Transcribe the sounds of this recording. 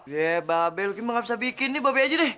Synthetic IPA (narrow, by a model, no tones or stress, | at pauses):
jebabɛlkiməŋabisabikɪnːɪbabɛad͡ʒadɛh